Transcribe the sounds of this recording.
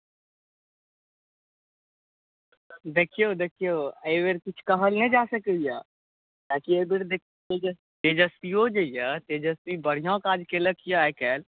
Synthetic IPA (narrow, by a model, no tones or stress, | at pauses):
d̪eːkʰijod̪eːkʰijoeːʋeɾkɪt͡ʃʰkɐɦəlnẽd͡ʒaːsəkeja | t̪aːkiebeɾd̪ekʰ | ed͡ʒ | t̪ed͡ʒəst̪iɦod͡ʒəjat̪ed͡ʒəst̪ibəɽ̤ijõkaːd͡ʒkeləkʰjakɛːl